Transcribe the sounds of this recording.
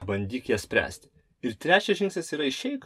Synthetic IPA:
bɐnʲd̪ʲiːkjiɛsʲpʲɾʲæ̰ːsʲt̪ʲ | ɪɾt̪ʲɾʲæːt͡ʃʲɛsʒʲɪ̃ŋksnʲeːsiːɾɐɪʃʲɛɪk

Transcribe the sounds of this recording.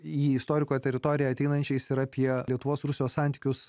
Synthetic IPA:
iːɪst̪oːɾʲɪkoːjt̪ʲɛɾʲɪt̪oːɾʲɪjɛɐt̪ʲɛɪnɐnʲt͡ʃʲɛɪsɪɾɑːpʲiɛlʲiɛt̪ʊʋoːsɾʊsʲɪjoːssɑˑnʲt̪ʲi̥ːkʲʊs

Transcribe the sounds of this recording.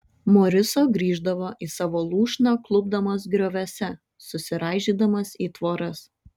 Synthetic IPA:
mɔɾʲɪsoːɡɾʲiːʒd̪ɐʋoːʔiːsɑːʋoːlˠuːʃʲnɑklˠʊb̚d̪ɐmoːs̬ɡɾʲoːʋʲɛsʲɛ | sʊsʲɪɾɑːʒʲiːd̪ɐmɐsiːt̪ʋoːɾɐs

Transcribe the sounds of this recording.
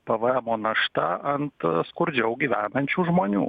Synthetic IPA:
pɐʋɐɛmoːnɐʃt̪ɐʔɐnt̪skʊɾʲd͡ʒʲɛʊɡʲiːʋʲæːnɐnʲt͡ʃʲuːʒmoːnʲṵː

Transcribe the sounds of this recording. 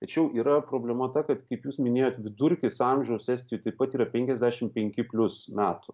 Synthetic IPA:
t̪ɐt͡ʃʲɛʊʔiːɾɐpɾoːbʲlʲɛmɐt̪ɐkɐt̪kɐɪpjuːsmʲɪnʲeːjoːt̪ʋʲɪd̪ʊɾʲkʲɪsɑmʲʒʲɛʊssʲæːsʲt̪ʲɪjut̪ɐɪpɐt̪iːɾɐpʲɛŋʲkʲɛzʲd̪ʲæːʃʲɪmpʲɛŋʲkʲɪpʲlʲʊsmʲæːt̪ʊ

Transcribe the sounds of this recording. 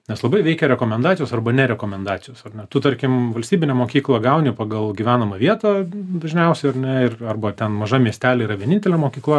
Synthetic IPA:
nʲɛslˠɐbɐɪʋʲɛɪkʲɛɾʲɛkoːmʲɛnd̪ɑːt͡sʲɪjoːsɐrbɐnʲɛɾʲɛkoːmʲɛnd̪ɑːt͡s̪ʲɪjoːsɐrnʲɛt̪ʊt̪ɐɾʲkʲɪmʋɐlʲst̪ʲiːbʲɪnʲɛmoːkʲiːklˠɐɡɐʊnʲɪpɐɡɐlˠɡʲiʋʲæːnɐmɐʋʲiɛt̪ɑd̪ɐʒʲnʲɛʊsʲɛɪɐrnʲɛɪrɐrbɐt̪ʲɛnmɐʒɐmʲiɛsʲt̪ʲæːlʲɛiːɾɐʋʲiɛnʲɪnʲt̪ʲɛlʲɛmoːkʲiːklˠɐ

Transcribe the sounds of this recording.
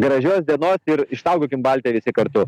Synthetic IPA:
ɡɾɐʒʲoːsd̪ʲiɛnoːsɪɾɪʃt̪ɐʊɡʲoːkʲɪmbɑlʲt̪ʲejʋʲɪsʲɪkɐɾt̪ʊ

